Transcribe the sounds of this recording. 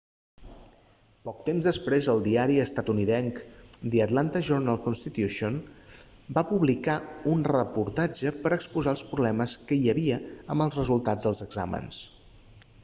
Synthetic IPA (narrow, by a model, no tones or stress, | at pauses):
pɔk̚t̪emzðəspɾezəlˠd̪iaɾiəst̪at̪uniðɛŋkd̪iət̪lant̪əʒurnalˠkunst̪it̪juʃon | bapuβlikaunrəpuɾt̪ad͡ʒəpəɾəkspuzaəlˠspɾuβlɛməskəiəβiəəmbəlˠzrəzulˠt̪ad͡zðəlˠzəɡza̰mə̰ns